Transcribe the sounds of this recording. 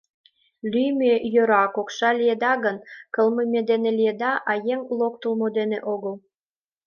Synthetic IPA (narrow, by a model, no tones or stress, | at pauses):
lyjmejøɾɑkokʃɑlijed̪ɑɣənkɤlməmʲed̪enelijed̪ɑʔɑjeŋulok̚t̪əlmod̪eneʔoɣəl